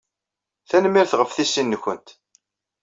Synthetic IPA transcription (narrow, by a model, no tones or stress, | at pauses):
θænmːiɾθʁəfθisːinːəçənt̪